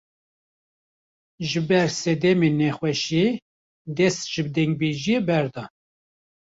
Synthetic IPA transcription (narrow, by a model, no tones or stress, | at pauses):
ʒɨbɛɾsɛd̪ɛmenɛxwɛʃe | d̪ɛst̪ʒ̥ɨbd̪ɛŋɡ̚beʒijebɛɾd̪ɑ